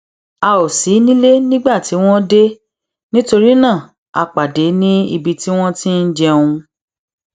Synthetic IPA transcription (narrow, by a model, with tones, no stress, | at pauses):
a˨˧o˨si˨˦nĩ˦le˦nĩ˦ɡ͡ba˦˨ti˨˦w̃ɔ̃˦de˦ | nĩ˦to˧ɾi˦nã˦˨ | a̰˧k͡pa˨de˨˦nĩ˦i˧bi˧ti˦w̃ɔ̃˦tĩ˦n̩˦d͡ʒɛ˧ũ˧